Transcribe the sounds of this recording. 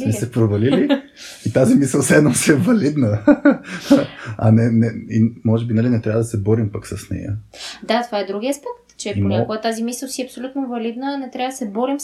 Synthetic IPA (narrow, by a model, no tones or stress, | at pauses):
nɛsɛpɾovɐlili | it̪azimisəlˠsɛd̪nɔmsiɛvɐlid̪nə | ɐ̰nɛnɛimɔʒɛbinɐlinɛt̪ɾʲavəd̪ɐsɛbɔɾimpaksɐsnɛ̰jə̰d̪at̪ovaɛd̪ɾuɡʲiɐspɛk̚t̪t͡ʃɛpoɲʲakoɡət̪azimisəlˠsiɛɐpsolʲut̪novɐlid̪nənɛt̪ɾjavəd̪ɐsɛbɔɾim